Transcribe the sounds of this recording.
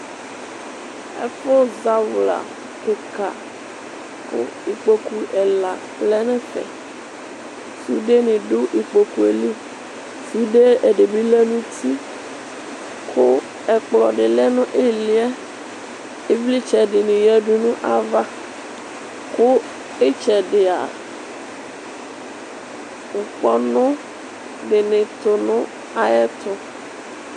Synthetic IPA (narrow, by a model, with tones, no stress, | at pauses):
ɛ̰˦fo˦za˦wla̰˨ | ke˨ka̰˨ | ko̰˦ | i˨k͡po˨ku˨ʔɛ˨la˨ | lɛ˦nɛ̃˦fɛ̰˨ | su˦ɖe˦nĩ˨ɖo˦ʔi˨k͡po˨ku˨e˨li˦ | su˦ɖe˦e˨ɖe˨bi˦lɛ˦nũ˦t̪i˦ | kʰo˦ | ɛ˨k͡plɔ˨ɖɪ˨lɛ˦nʊ̃˦ʔe˦li˦ɛ˦ | e˦vli˦t͡ʃɛ˨ɖɪ˨nɪ̃˨jɛ˦ɖu˦nũ˦ʔa˨va˦ | kʊ˦ | e˦t͡ʃɛ˨ɖɪ˨a̰˨ | ŋ̩˨k͡pɔ˦nʊ̃˦ | ɖɪ˨nɪ̃˨t̪ʊ˨nʊ̃˦ | a˨ɛ˦t̪ʊ˨